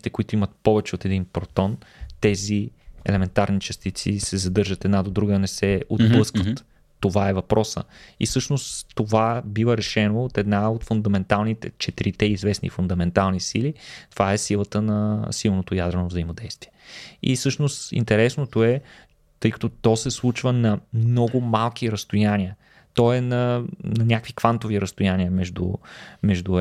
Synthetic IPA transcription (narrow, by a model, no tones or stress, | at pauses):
it̪ɛkʊit̪ʊimət̪̚pɔvɛt͡ʃɛot̪ɛd̪inpɾot̪ɔnt̪ɛziɛ̰lɛmɛnt̪aɾnit͡ʃɐst̪it̪sisɛzɐd̪ɤɾʒət̪ɛd̪nad̪od̪ɾuɡənɛsɛod̪blˠɤskvət̪ː | ovaɛvɐpɾɔsə̰ḭsɤʃnost̪t̪ovabivəɾɛʃɛnoːt̪ɛd̪naot̪fund̪ɐmɛnt̪alˠnit̪ɛ̰t͡ʃɛt̪iɾit̪ɛizvɛsnḭfund̪ɐmɛnt̪alˠnisilit̪ovaɛsilˠət̪ənɐsilˠnot̪ojad̪ɾɛnovzəimod̪ɛjst̪viɛḭsɤʃnost̪ḭnt̪ɛɾɛsnot̪oɛ | t̪ɤjkɐ̥t̪ɔt̪ɔsɛslˠut͡ʃvənɐmnɔɡʊmalˠk̟iɾəst̪ojaniə | t̪ɔɛnɐnɐnʲakvikvant̪oviɾəst̪ojaniəmɛʒd̪ṵmɛʒd̪u